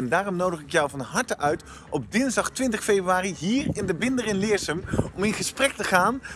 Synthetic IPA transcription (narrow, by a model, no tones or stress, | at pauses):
ɛndaːrɔmnowdəχɪkjɔwvɑnɦɑɹtəʔœɥt | ɔb̚dɪnzdɑχtʋɪntəχfebryaːriɦiːɹɪndəbɪndərɪnlɪːɹsəmɔmɪnχəsprɛk̚təχaːn